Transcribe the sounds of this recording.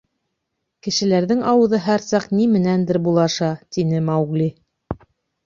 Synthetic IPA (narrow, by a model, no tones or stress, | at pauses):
kɘ̆ʃɘ̆læɾðɘŋɑwɤ̆ðɤɦæɾsɑqnimɘ̆nænd̪ɘɾbulˠɑʃɑt̪inɘmɑwɣlʲi